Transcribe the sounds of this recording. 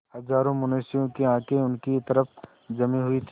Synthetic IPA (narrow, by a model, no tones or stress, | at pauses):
hɐzaːɾõmʊneːsɪjõkeãːkʰeʊnkit̪ɐɾəp | d͡ʒɐmĩɦʊit̪ʰː